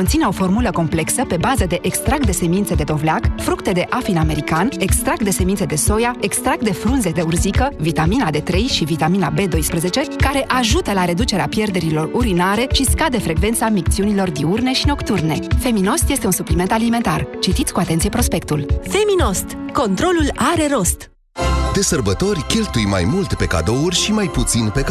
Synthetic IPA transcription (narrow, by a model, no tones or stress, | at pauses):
o̞nt̪sineo̞fo̞rmuləko̞mple̞ksəpe̞bazəd̪e̞ʔekst̪ɾak̚t̪d̪e̞se̞mint̪se̞d̪e̞d̪ovleakfɾukt̪e̞d̪e̞ʔafiname̞ɾikane̞kst̪ɾak̚t̪d̪e̞se̞minse̞d̪e̞so̞jae̞kst̪ɾak̚t̪̚d̪efɾunze̞d̪e̞urzikəvit̪aminad̪e̞t̪ɾe̞jʃivit̪amina̰be̞d̪o̞jspɾeze̞t͡ʃe̞kaɾe̞ʔaʒut̪əlaɾe̞d̪ut͡ʃe̞ɾeapje̞rd̪e̞ɾilo̞ruɾinaɾe̞ʃiskad̪e̞fɾe̞ɡve̞nt̪samik̚t̪siunilo̞rd̪iurne̞ʃino̞kt̪urne̞fe̞mino̞st̪jest̪eunsuplime̞nt̪alime̞nt̪art͡ʃit̪it̪sʲkuat̪e̞nt̪sijepɾo̞spe̞k̚t̪ulfe̞mino̞st̪ko̞nt̪ɾo̞lulaɾe̞ɾo̞st̪ | d̪e̞sərbət̪o̞rʲkʲe̞lt̪ujma̰jmult̪pe̞ka̰d̪o̞urʲʃimajput̪sinpek